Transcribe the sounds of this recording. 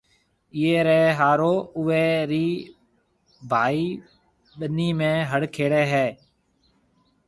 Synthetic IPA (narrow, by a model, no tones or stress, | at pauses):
ɪːeːɾeeɦaːɾoːʊʋeːɾiː | bʱaːiː | ɓəniːmẽːɦəɽkʰeːɽeːɦɛː